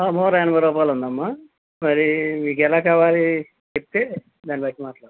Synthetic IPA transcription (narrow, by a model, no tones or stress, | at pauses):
aːmɔːɾɐɐnɐmɐɾɔːpaːlund̪ɐmːa | mɐɾimiːkɛlaːkaːʋaːli | t͡ʃep̚it̪eː | d̪aːnipɐjʈːimaːʈlaːɾd